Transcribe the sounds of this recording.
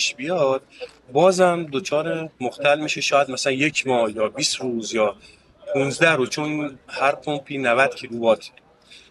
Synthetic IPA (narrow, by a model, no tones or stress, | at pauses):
pʃbijɒd̪̥̚ | bɒːzæmd̪ot͡ʃʰɒːɾemoxt̪ælmiːʃeʃɒːjæd̪mæsælænje̞cʰmɒːhjɒːbiːst̪ɾuːzjɒː | pʰunzd̪æhɾot͡ʃʰonhæɾpʰompʰiːnævæd̪̥cʰiːlubɒːt̪ʰ